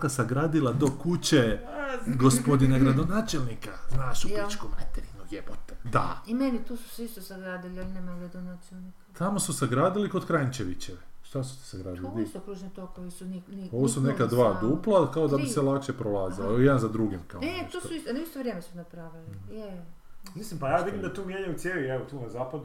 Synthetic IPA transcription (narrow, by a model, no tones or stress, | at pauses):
kasaɡɾaːd̪ilˠad̪o̞kut͡ɕe | ɡospo̞d̪inaɡɾad̪o̞naːt͡ʃelˠnikaznaːʃupat͡ʃkomnat̪eɾinujepot̪ed̪a̰imenit̪uːsu̥sist̪osaɡɾaːd̪ilialineːmaɡɾad̪onaːt͡ʃelnikt̪ʰamo̞susaɡɾaːd̪iliko̞d̪kɾajnt͡ʃeʋit͡ɕeʋeʃt̪asu̥t̪e̥saɡɾaːd̪iliist̪okɾuːʒnit̪okoʋisuninio̞ʋʋosunekad̪ʋaːd̪uplˠakaod̪abisselˠakʃepɾolaːzilojed̪anzad̪ɾuɡimkaet̪uːsuist̪onist̪oʋɾʲjemesunapɾaʋilijemislimpajaːd̪iimd̪at̪uːmjeɲajusjeliɛʋot̪uːnazaːpad̪u